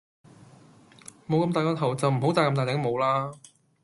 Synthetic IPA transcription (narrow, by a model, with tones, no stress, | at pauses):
mo˨˧wkɐ˧mt̪aː˨jkɔː˥t̪ʰɐ˨˩wt͡sɐ˨wm̩˨˩ɦo˨˥wt̪aː˨˩jkɐ˧mt̪aː˨˩t̪ɛ˨˥ŋmo˨˧wlaː˥